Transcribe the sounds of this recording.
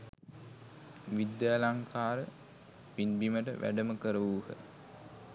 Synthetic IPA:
ʋid̪jalaŋkʰaːɾə | pinbiməʈəʋʔæ̰ɖəməkəɾəʋuːhə̰

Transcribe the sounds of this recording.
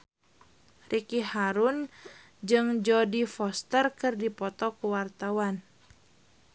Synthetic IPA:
rʔikihaɾun | d͡ʒɨŋd͡ʒɔdifɔst̪ərkɨrdipɔt̪ɔkuwart̪awan

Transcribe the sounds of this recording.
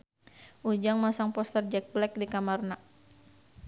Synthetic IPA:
ʔud͡ʒaŋmasaŋpɔst̪ərd͡ʒɛk̚blɛk̚dikamarna

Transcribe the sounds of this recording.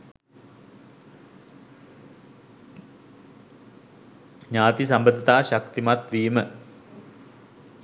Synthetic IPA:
ɲaːt̪isambəd̪it̪aːɕakt̪imat̪ʋiːmə

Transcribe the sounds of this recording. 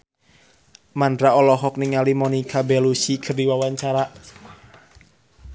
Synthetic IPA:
mandɾaɔlɔɦɔk̚niŋalimɔnikabɛlusikʰɨrdiwawaɲt͡ʃaɾa

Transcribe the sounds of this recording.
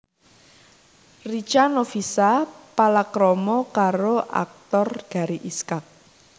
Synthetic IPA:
rit͡ʃanofisapalakɾɔmɔkaɾoʔa̰k̚t̪ɔrɡ̥a̤ɾiʔiskak̚

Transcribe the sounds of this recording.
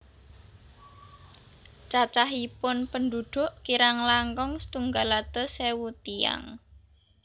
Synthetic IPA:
t͡ʃat͡ʃaɦipʊnpənd̪uɖ̪̥ʊ̤ʔkiɾaŋlaŋkɔŋst̪uŋɡalat̪ɔsewut̪ia̰ŋ

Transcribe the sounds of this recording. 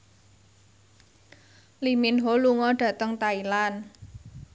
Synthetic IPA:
liminɦoluŋɔɖ̥ä̤t̪əŋt̪ailan

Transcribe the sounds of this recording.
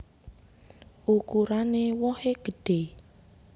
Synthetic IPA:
ʔukuɾanewɔheɡ̥ə̤ɖ̥e

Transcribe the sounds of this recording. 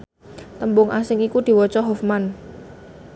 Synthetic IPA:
t̪əmbʊŋʔa̰sɪŋikud̪̥i̤wɔt͡ʃɔɦɔfman

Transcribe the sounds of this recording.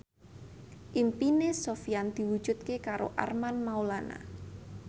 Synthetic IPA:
ʔimpinesofijand̪̥i̤wud̥ʒ̥ut̪̚kekaɾoʔa̰rmanmaulana̰

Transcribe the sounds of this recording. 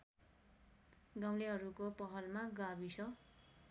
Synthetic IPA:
ɡaw̃leɦʌɾukopʌɦʌlmaɡabisʌ

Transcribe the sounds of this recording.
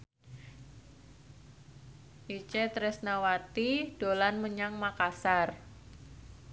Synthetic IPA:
ʔit͡ʃɛt̪ɾɛsnawat̪id̥olanməɲaŋmakasar

